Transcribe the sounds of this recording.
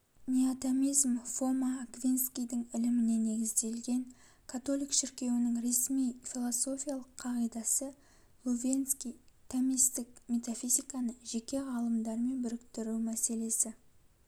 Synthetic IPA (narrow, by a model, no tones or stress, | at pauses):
nʲeat̪amijzmfo̞maːkvʲinskʲijd̪ɪŋɪlɪmɪne̞ne̞ɡʲɪzd̪e̞lɡʲe̞ŋ | kʰat̪o̞lˠijkʃɪɾkʲe̞wɪnɪŋɾe̞smijfʲilˠoso̞fʲijalˠəqʰːɑʁijd̪ɑsə | lˠovʲenskʲijt̪ʰamist̪ɪk̚mʲe̞t̪afʲijzijkɑnəʒe̞kʲe̞ʁɑlˠəmd̪ɑɾme̞nbʏɾɪkt̪ɪɾuwmæse̞le̞sɪ